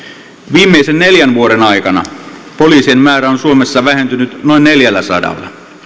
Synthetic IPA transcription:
ʋiːmːeisenne̞ljænʋuoɾe̞nɑjkɑnɑ̰ | poliːsiemmæːɾæonsuomesːɑʋæɦe̞nt̪ynyt̪no̞inːe̞ljælːæsɑ̰dɑ̰lːɑ̰

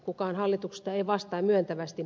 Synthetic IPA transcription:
kukɑːnhɑlːit̪ukse̥st̪ɑeiʋɑst̪ɑːmyønt̪æʋæst̪i

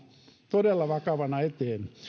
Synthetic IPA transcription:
t̪odelːɑʋɑkɑʋɑnɑet̪eːn

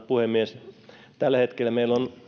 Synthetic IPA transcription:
puhemːies | t̪ælːæhet̪kelːˑæmeilon

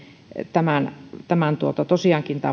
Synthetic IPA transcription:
t̪æmænt̪æmænt̪uot̪ɑt̪osiɑːˑŋkint̪ɑ̰

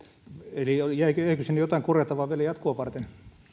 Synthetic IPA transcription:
eliojæikøæikøsinːjot̪ɑˑiŋkurjɑt̪ːɑʋɑːʋiælæjɑt̪koɑʋɑrt̪en

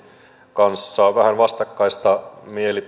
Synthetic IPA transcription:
kɑnsːɑʋæhænʋɑst̪ɑkːɑist̪ɑmieli

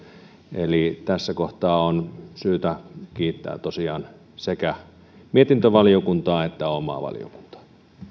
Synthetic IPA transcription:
ʔelit̪æsːækoht̪ɑːonsyːt̪ækiːt̪ːæ̰ːt̪osiɑːn | sekæ | miet̪int̪øʋɑlijokunt̪ɑːet̪ːæomɑ̰ʋɑ̰lḭjo̰ku̥nt̪ɑ̥

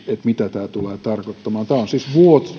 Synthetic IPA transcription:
et̪mit̪æt̪æːt̪uleːt̪ɑrkot̪ːɑmɑːnt̪æːonsisʋuot̪

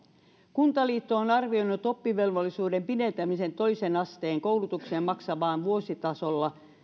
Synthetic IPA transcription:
kunt̪ɑliːt̪ːoːnɑrʋioinːut̪o̞pːiʋe̞lʋolːisuːde̞mpinent̪æmise̞nt̪o̞isenɑst̪eːŋko̞wlut̪ukseːmmɑksɑʋɑːnʋuosit̪ɑsolːɑ

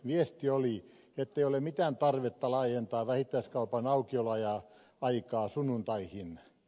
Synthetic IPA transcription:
ʋiest̪ioli | et̪ːeijolemit̪æːnt̪ɑrʋet̪ːɑlɑːjent̪ɑːʋæhit̪ːˑæiskɑupɑnɑukiolɑjɑ | ɑikɑːsunːunt̪ɑihin

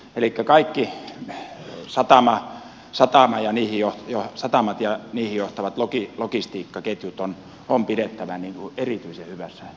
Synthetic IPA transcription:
elikːækɑikːi | sɑt̪ɑmɑ | sɑt̪ɑmɑjɑniːhijohjosɑt̪ɑmɑt̪jɑniːhijoht̪ɑʋɑt̪lokilokist̪iːkːɑket̪jut̪on | ompiɾet̪ːæʋæniːŋkuerit̪yisehyʋæsːæ

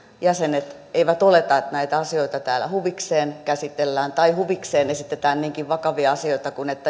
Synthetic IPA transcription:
jæsenet̪ | eiʋæt̪olet̪ɑt̪næit̪æɑsioit̪ɑt̪æːlæ̰huʋikseːnkæsit̪elːæːnt̪ɑihuʋikseːnesit̪ːet̪æːnniːŋkiʋʋɑkɑʋiɑɑsioit̪ɑkunet̪ːæ

